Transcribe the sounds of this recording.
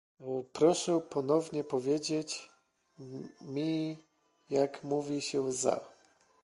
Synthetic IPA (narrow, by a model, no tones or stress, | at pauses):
pɾɔʂɛpɔnɔvɲɛpɔvʲjed͡ʑet͡ɕ | mʲi | jakmuvʲiɕɛza̰